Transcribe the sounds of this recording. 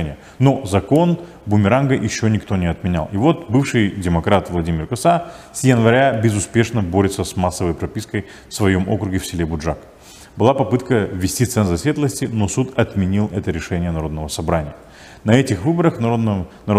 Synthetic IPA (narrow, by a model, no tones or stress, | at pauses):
nʲɪjə | no̞zɐko̞n | bʊmʲɪɾanɡəjʔɪɕːonʲɪkt̪o̞nʲɪɐt̪mʲɪnʲa̰lˠɪvo̞t̪bɨfʂɨjdʲɪmɐkɾat̪vlˠɐdʲimʲɪrkɐsasjənvɐɾʲabʲɪzʊspʲe̞ʂnəbo̞ɾʲɪt̪səsmasːəvəjpɾɐpʲiskəj | fsvɐjo̞mʔo̞̰kɾʊɡʲɪfsʲɪlʲebʊdʐak | bɨlˠapɐpɨt̪kəvʲːɪsʲtʲit̪sɛnzɐsʲvʲet̪lˠəsʲtʲɪno̞sut̪ɐt̪mʲɪnʲilˠɛt̪əɾʲɪʂɛnʲɪjənɐɾo̞d̪nəvəsɐbɾanʲɪ̰jə | nɐɛtʲɪxvɨbəɾəxnɐɾo